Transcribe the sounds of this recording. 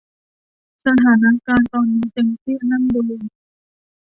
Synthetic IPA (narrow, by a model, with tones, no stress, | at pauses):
sa˧t̪ʰaː˩˦na˦˥kaː˧nt̪ɔː˧nːiː˦˥t̪e˧ŋtʰiː˥˩˨na˥˩mdu˧ŋ